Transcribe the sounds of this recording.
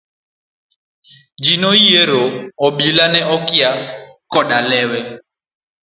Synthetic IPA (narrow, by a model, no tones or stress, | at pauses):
d͡ʒinɔijɛɾɔɔɓilanɛʔɔkia | kɔɗalɛwɛ